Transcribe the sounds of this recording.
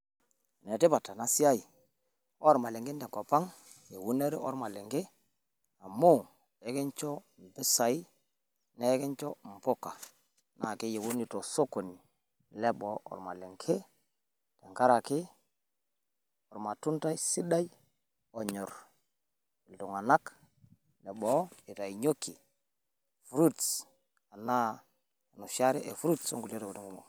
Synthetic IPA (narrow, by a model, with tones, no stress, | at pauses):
ne˨ti˦pa˨tːa˨na˦si˦a˦i˨ | ɔ˦ɾma˨le˨ŋɡe˦nde˨ŋko˨pa˦ŋ | je˨wu˦ne˦ɾi˦ɔ̰˦ɾma˨le˨ŋɡe˦ | a˨mu˦ | e˨˦ke˦nt͡ʃo˦ | m̩˨pi˦sa˨i˦ | ne˦ke˦nt͡ʃo˦m̩˨po˦ka˨ | na˨ki˦je˨wu˦ni˨to˨so˦ko˨ni˨ | le˦bɔ˨˦ɔ̰˨ɾma̰˨le˨ŋkʰe˦ | tɛ˨ŋka˦ɾa˨kɪ˦ | ɔ˨ɾma˨tu˦nta˦jsi˦da˦j | ɔ˨ɲɔ˨ɾ | i˨ltu˨ŋa˨na˦k | lɛ˨bɔ˦e˨ta˨i˨ɲo˦ki˨ | fɾu˦ts | a˨na˦˨ | nu˨ʃa˦ɾɛ˦ʔe˨fɾu˦tso˦ŋɡu˨le˦to˨e˨tu˦ŋɡu˦mo˨